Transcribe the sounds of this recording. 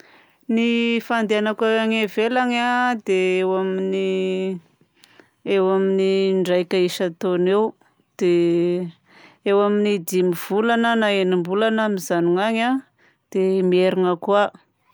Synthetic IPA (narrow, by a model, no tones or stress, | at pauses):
nifand̪eanakaaŋevelaŋad̪eewamini | ewaminiɳɖ͡ʐajkʲəiʃət̪onew | d̪̥e | ewaminid̪imiv̥ulanənaenimbulanamizaniŋaɲa | d̪̥emieɾiŋəkua